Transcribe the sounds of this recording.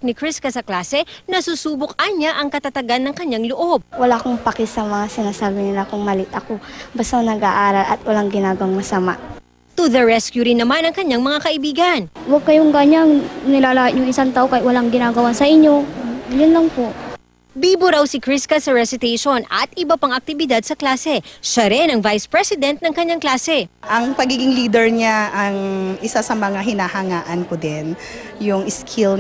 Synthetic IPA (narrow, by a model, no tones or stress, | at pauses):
k̚nɪkɹɪskɐsɐklaːsɛnɐsusuːbok̚ɐɲːaʔɐŋkɐt̪ɐt̪ɐɡanːɐŋkɐɲaŋloʔo̞b̚wɐlaʔkoŋpɐkɪsɐmɐŋasɪnaːsaːbɪnɪlakʊŋmɐlɪt̪ɐko̞bast̪aŋnɐɡaʔaːɾɐlɐ̰t̪̚wɐlaŋɡɪnaːɡɐwaŋmɐsɐma̰ʔ | t̪uðɐɹɛskjuɾɪnɐmanɐŋkɐɲaŋmɐŋakɐʔɪbiːɡɐnwɐɡ̚kɐjoŋɡaɲaŋnɪlaːlahɪt̚ɲʊŋɪsaŋt̪aːʔokaɪt̪wɐlaŋɡɪnaːɡɐwasɐʔɪɲːojʊnlɐŋpoʔ | biːboɾawsɪkɾɪskɐsɐɹɛsɪt̪ejʃonɐ̰t̪ʔɪbɐpaŋɐk̚t̪ɪbɪd̪ad̪̚sɐklaːsɛʃɐɾɛnɐŋvajspɹɛsɪd̪ɛnt̪̚nɐŋkɐɲːaŋklaːsɛʔɐŋpɐɡiːɡɪŋliːd̪ɛɹɲaɐŋʔɪsasɐmɐŋaɦɪnahɐŋaːʔɐnkʊd̪ɪn | jʊŋɪskʰɪl